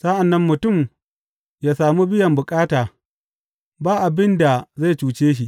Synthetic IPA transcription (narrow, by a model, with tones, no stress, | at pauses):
sa˦ʔa˨nːɐ˦mːʊ˨tʊ˦˨m | jaː˦saː˨mu˦bɪ˦jɐ˨mbʊ˨kʼaː˦taː˨ | baː˦ʔa˨bɪ˦nda˨za˦˨t͡ʃuː˨t͡ʃeː˦ʃ̬i˦ʔ